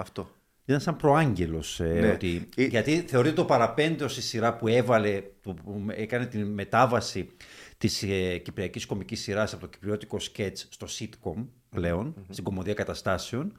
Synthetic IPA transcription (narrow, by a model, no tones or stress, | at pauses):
ɐft̪o | it̪ɐnsɐmpɾo̞ɐɲɟe̞lo̞sot̪iʝɐt̪iθe̞oɾit̪et̪opɐɾɐpe̞nd̪eost̪isiɾɐpuevɐle̞t̪uekɐne̞t̪inme̞t̪ɐvɐsit̪isecipɾiɐcisko̞micisːiɾɐsɐpo̞t̪oci̥pɾio̞t̪i̥ko̞sce̞t͡sst̪o̞sit̪ko̞m | ple̞o̞nst̪iŋɡo̞mo̞ðiɐkɐt̪ɐst̪ɐseo̞n